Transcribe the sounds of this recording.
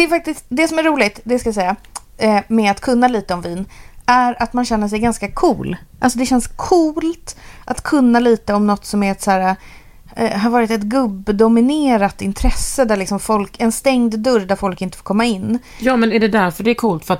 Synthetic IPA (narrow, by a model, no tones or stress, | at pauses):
d̪ɛæɾfak̚t̪ɪst̪d̪ɛsɔmæɾuːlɪɡt̪d̪ɛaskajasɛjːa | mɛat̪kʰɵnːaliːt̪əɔmviːnæɾat̪manɕɛnːəʂ̬ɛjɡanskakʰṵːlʔalsɔd̪ɛɕɛnskʰuːlt̪ʔat̪kʰɵnːaliːt̪əɔmnɔt̪ːsɔmæɾɛt̪sæːɾa | ɦaɾvɑːɾɪt̪ɛt̪ɡɵbːd̪ʊmɪneːɾat̪ːɪnt̪ʰɾɛsəd̪æɭɪksɔmfɔlkɛnst̪ɛŋd̪d̪ɵɾd̪æɾfɔlkɪnt̪ə̥foːɾkʰɔmːaɪnː | jɑːmɛnæɖɛd̪æɾfœɖɛɾkʰuːlt̪fœɾat̪